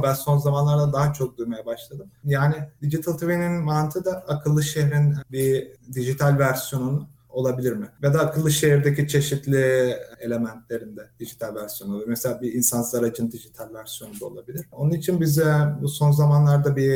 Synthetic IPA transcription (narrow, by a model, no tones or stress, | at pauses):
bænso̞nzamanlˠaɾd̪ad̪aɦat͡ʃʰo̞k̚d̪ujmajabaʃlˠad̪ɯmjaːnɪd̪id͡ʒit̪ʰɯlˠt̪ʰuvininmant̪ʰɯd̪aakʰɯlˠːɯʃeɦɾinbid̪iʒit̪ʰalʲvæɾsjo̞nunu | o̞lˠabilʲiɾmɪved̪aːkʰɯlˠːɯʃe̞ɦiɾd̪ecʰit͡ʃʰe̞ʃit̪lʲie̞lʲe̞mænt̪ʰlʲe̞ɾind̪ɛd̪̥iʒit̪ʰalʲvæɾsijo̞nuolˠuɾmeselʲaːbiinsanslˠaɾad͡ʒɯnd̪iʒit̪ʰalʲvæɾsijo̞nund̪ao̞lˠabilʲiɾ̥onunit͡ʃʰinbizɛbuso̞nzamanlˠaɾd̪abi